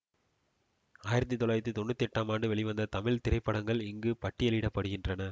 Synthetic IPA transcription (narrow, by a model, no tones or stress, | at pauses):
aːjɪɾɐt̪̬ːit̪ːɔlaːjt̪ːɯt̪ɔɳːɯt̪ːɛʈːaːmaːɳɖɯʋɛɭɪʋɐnd̪ɐt̪ɐmɪɭt̪ɪɾɐɪpːɐɽɐŋɡɐɭɪŋɡɯpɐʈːɪjɐlɪɽɐpːɐɽɯɣɪndrɐnɐ